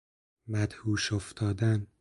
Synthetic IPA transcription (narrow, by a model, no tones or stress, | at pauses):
mæd̪huːʃoft̪ʰɒːd̪æn